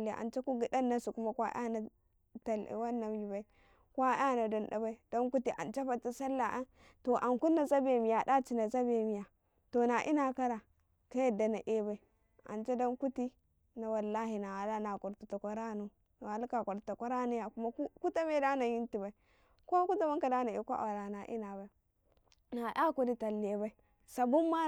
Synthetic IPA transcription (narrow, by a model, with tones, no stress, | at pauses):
la̰˨ʔa̰˨nt͡ʃa˦ku˦ɡi˨da˦nːa˦su˨ku˦ma˦kʷa̰˦ʔa̰˦na˨ | ta˨l̰wa˦nːa˨mji˨ba˨i˨˦ | kwa˦ja˦no˨da˨nɗa̰˨ba˦i˨d̥o˦nku˦ti˨ʔa̰˨nt͡ʃa˦fa˨ta˦sa˦lːa˨ʔa˦ | to˨ʔa˨ŋku˦nːa˨za˦be˨mi˨ja˨da˦t͡ʃi˨na˨za˦be˨mi˨ja˨ | to˨na˨ʔḭ˦na˨ka˦ɾa˨ | ka˦ja˨da˨na˨ʔe˦ba˨i˨ | a̰˨nt͡ʃe˦do˦nku˦ti˦ | na˨wa˨lːa˦ɦi˨na˨a˨la˦na˨ko˨ɾtu˨ta˨kʷa˦ɾa˦nu˨ | no˨a˨lka˨ko˨ɾta˨ka˦ɾa˦nu˦ja˨ku˦ma˦ku˦ta˦me˦da˦na˨ji˦nti˨ba˨i˨˦ | ko˦ku˦ta˦ba˦ŋka˨da˦na˨ḛ˨ko˦ʔa̰˨wɾa˨na˨ʔḭ˦na˨ba˦i˨ | na˨ʔa˦ku˦di˦ta˨lːe˨ba˦i˦ | sa˨bu˦mːa˦